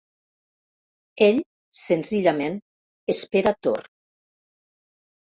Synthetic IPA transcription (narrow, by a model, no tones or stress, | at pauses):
eʎ | senziʎamen | espeɾat̪o̰r